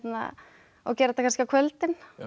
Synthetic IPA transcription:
t̪na̰ | ɔ̰cɛːɾaɛt̪akʰanskɪakʰvœlt̪ɪn

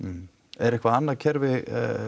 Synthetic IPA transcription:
ɛɾɛhkvaðanːaðcʰɛɾvɪ

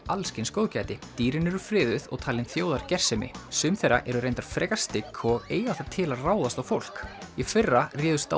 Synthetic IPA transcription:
alscɪnskoːwðcajt̪ɪt̪iːɾɪnɛɾʏ̥fɾɪːðʏðɔ̰ɣt̪ʰaːlɪnθjoːwðaɾcɛr̥sɛmɪ̰sʏmθejrːa̰ʔɛɾʏɾejnt̪aɾ̥fɾɛːkḁst̪ɪkʰːɔeːjðaθat̪ʰɪlaðraːwðast̪awfowl̥kifɪrːarɪːðʏst̪a̰

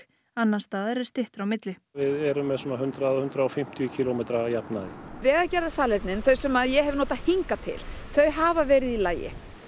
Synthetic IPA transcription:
anːast̪aːðɛɾɛɾ̥st̪ɪht̪ɾawmɪt̪lɪvɪðɛɾʏmːɛsɔmaɦʏnt̪ɾaðhʏnt̪ɾaɔfɪm̥t̪ʰjʏcʰilomɛt̪ɾajapna̰ðɪvɛːɣacɛɾðasaːlɛt̪nɪnθœɥsɛmaðjɛhɛvnoːt̪aðhiŋkat̪ʰɪ̰lθœɥɦaːvavɛːɾɪðilaːjɪ̰

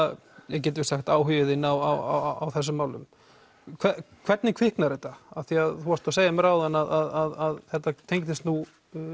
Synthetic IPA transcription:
jɛɣc̬ɛːt̪ɪvɪ̥saxt̪aːwɦʏvɪðɪnːawa̰wa̰awθɛs̬ʏmːaːwlʏ̰m | kʰvɛ | kʰv̥ɛt̪nɪkʰvɪhknaɾɛt̪aaθiaðθuhaɾ̥t̪aseːjamɛɾaːwðɛnaðaðaðaðθɛht̪at̪ʰejŋt̪ɪst̪nu

